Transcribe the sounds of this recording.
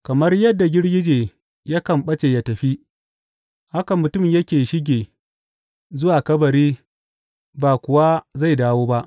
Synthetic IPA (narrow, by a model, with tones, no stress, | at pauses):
kɐ˨mɐ˦rjɐ˦dːa˨ɡʲɪ˦ɽɡʲɪ˦d͡ʒeː˨ | ja˦kɐ˨mɓɐ˦t͡ʃe˨jɐ˨tɐ˨ɸi˦ | ha˦ka˨mʊ˨tʊ˦˨mjɐ˦kʲeː˨ʃɪ˦ɡʲeː˨ | zʊ˦waː˨kɐ˦bɐ˨ɾiː˦ | baː˨kʷʊ˨wa˦za˦˨jdaː˦woː˦ba˦ʔ